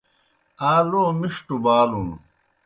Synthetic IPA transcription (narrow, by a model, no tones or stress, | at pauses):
aːloːmiʂʈubaːlun